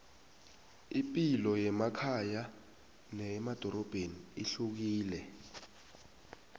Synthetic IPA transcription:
ipʼilɔjɛmakʰaja | nɛmad̥ʱɔɾɔb̥ʱeniiɬuk̬iːlɛ

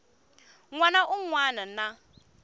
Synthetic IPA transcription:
ŋʷanaʔʊŋʷwaːnan̩na

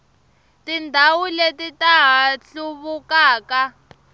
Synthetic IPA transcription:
tindʱawuletitaɦaɬuβukaːka

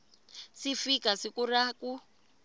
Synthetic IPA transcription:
sifikasikuraku

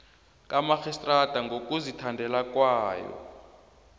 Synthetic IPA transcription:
kʼamaxistʼrad̥ʱaŋɡokuzitʰandʱɛlakwaːjɔ̰

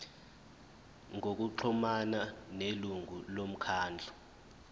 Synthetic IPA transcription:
ŋok̬uǃʰɔmananeluŋʱulom̩kʰaːnd͡ɮʱɔ

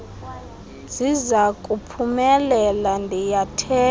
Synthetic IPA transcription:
zizakʼupʰumɛlɛlandʱijatʰɛː

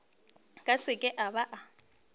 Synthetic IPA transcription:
kʼasɪkʼɛʔaβaʔa

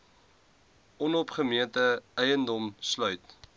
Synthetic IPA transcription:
ʔɔnɔpχəmiəntəɛjəndɔmslœɥt

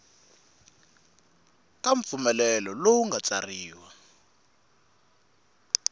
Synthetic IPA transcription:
kʼaɱp̪fumɛlɛlɔlowuŋɡat͡sariːwa

